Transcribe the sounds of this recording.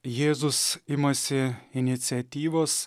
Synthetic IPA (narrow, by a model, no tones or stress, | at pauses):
jeːzʊsɪmɐsʲɪɪnʲɪt̪sʲɪɛt̪ʲiːʋoːs